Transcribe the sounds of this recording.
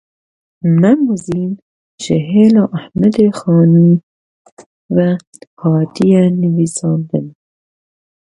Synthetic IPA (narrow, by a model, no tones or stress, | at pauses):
mæmuziːn | ʃeɦelɔʔæhmæd̪exɑːniː | væ | hɑːd̪ijæniviːsɑːnd̪em